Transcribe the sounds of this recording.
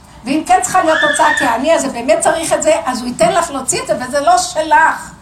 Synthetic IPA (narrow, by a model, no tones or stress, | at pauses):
veimkent͡sə̥χalijotot͡sakeaniazebe̞ːmet̚t͡saʁiχetzeʔazuitenlaχlot͡sietzevezelo̞ʃelaχ